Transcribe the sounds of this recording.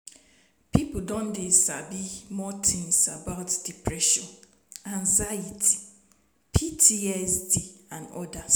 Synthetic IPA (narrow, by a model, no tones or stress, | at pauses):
pʰipʊdɔ̃ndɪsabimɔtʰɪ̃nsabaʊtd̥ipʰɾɛʃɔ̃n | ãnzaitʰi̥ | pʰitʰiɛsdiãnɔ̰da